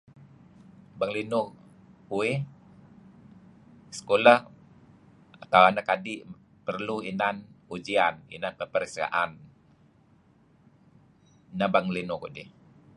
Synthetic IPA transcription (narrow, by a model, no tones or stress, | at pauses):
baŋlinʊkue | sə̥kolah | at̪awanakadiʔ | pərluinanud͡ʒianḭnanpəpəɾska̰ʔan | nabaŋlinʊkodi